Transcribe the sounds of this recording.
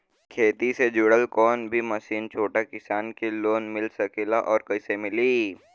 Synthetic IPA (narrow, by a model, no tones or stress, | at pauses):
kʰeːt̪ised͡ʒʊɽəlkɔːnbʱimɐsiːnt͡ʃʰoːʈakɪsaːnkiloːnmɪlsɐkelaʔɔːɾkɐisemɪliː